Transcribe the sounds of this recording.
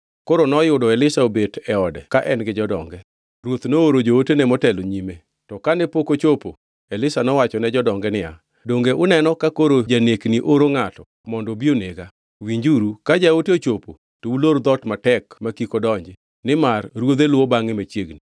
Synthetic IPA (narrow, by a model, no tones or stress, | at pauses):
koɾonɔjʊdɔɛlɪsaobetɛɔdɛkaʔɛnɡɪd͡ʒɔdɔ̰ŋɡɛ | ɾwot̪nooɾod͡ʒootenɛmɔtɛloɲime | tɔkanepokot͡ʃopo̰ | ɛlɪsanɔwat͡ʃɔnɛd͡ʒɔdɔŋɡɛnɪja̰ | doŋɡeʔʊnɛnɔkakoɾod͡ʒanekniʔoɾoŋatɔ | mɔndɔbioneɡa | wiɲd͡ʒuɾukad͡ʒaoteot͡ʃopo | touloɾd̪ɔtmatɛkmakikodɔɲd͡ʒɪ | nɪmarɾwod̪elwobaŋɪmat͡ʃjeɡni